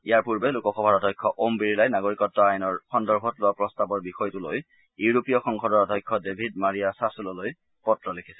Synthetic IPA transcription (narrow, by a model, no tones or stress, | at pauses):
ḭjaɹpuɹbɛlukɔxɔbʱaɹɔdʱɔjkʰːɔʔombiɹilajnaɡoɹikɔtːɔajnɔɹxɔndɔɹbʱɔtlʊapɹɔstabɔɹbixɔjtulo̰j | iuɹopijɔxɔŋkʰɔdɔɹɔdʱɔjkʰːɔdebʱidmaɹijasasulɔloj | pɔtɹɔlekʰi̥sɛ